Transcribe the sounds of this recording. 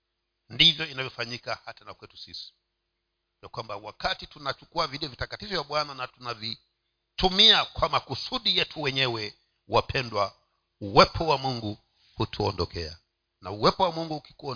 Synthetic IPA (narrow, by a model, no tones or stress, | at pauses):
ndivjɔinavjɔfaɲikahatanakwɛtu̥sisi̥ | vjakwambawakatitunat͡ʃukuaviɗiɔvitakatifɔvjaɓwananatunavi | tumiakwamakusuɗijɛtʰuwɛɲɛwɛ | wapʰɛndwa | uwɛpʰɔwamuŋɡu | hutʰuɔndɔkɛa̰ | nauwɛpɔwamuŋɡuhuki̥kɔ